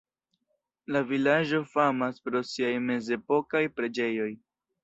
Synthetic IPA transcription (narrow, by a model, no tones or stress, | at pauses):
lavilad͡ʒo̞famaspɾo̞siajme̞ze̞po̞kajpɾe̞d͡ʒe̞jo̞j